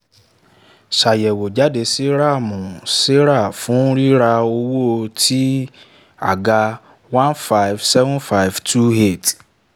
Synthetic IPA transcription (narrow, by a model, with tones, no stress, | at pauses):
ʃa˨jɛ˨wo˨d͡ʒa˨˦de˧se˦ɾa˦˨mũ˨se˦ɾa˦˨fũ˨˦ɾi˦ɾa˧o˧wo˦o˧tʰi˦ | a̰˨ɡa˧ | wã˦nfa˦jfsɛ˦vũ˦nfa˦jftʰu˦ɦe˦˨t